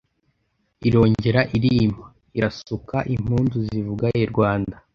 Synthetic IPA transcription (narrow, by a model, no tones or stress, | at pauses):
iɾo̞ːɲɟe̞ɾaʔiɾim̥a | iɾasukaʔim̥huːnzuzivuɡaeɾɡwaːnda